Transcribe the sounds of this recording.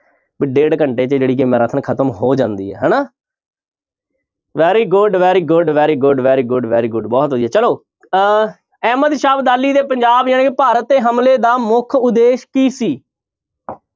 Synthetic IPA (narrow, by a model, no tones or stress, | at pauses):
bɪɖeːɖkəɳʈeːt͡ʃəd͡ʒeːɽiːkemɛ̃ːɾət̪ʰənkʰət̪əmɦoːd͡ʒã̰ːnd̪ḭːɦɛ̰ːɦɛːnaː | ʋɛːɾiːɡʊɖʋɛːɾiːɡʊɖʋɛːɾiːɡʊɖʋɛːɾiːɡʊɖʋɛ̰ːɾiːɡʊɖbɔːt̪ɦoːdiːɦɛːt͡ʃəloː | ɛːməd̪ʃaːbd̪aːlːiːd̪eːpəɲd͡ʒaːbjãːnːkpaːɾət̪ːeːɦəmleːd̪aːmʊkʰʊd̪eːʃkiːsiː